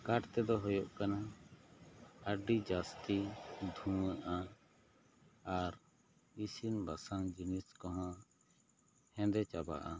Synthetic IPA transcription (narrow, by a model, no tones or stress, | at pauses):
kaʈt̪ɛd̪ɔɦɔjɔʔkana | əɖid͡ʒast̪id̪ʱũɛʔa | aɾ | isinbasaŋd͡ʒiniskɔɦã | hɛ̃d̪ɛt͡ʃaba̰ʔa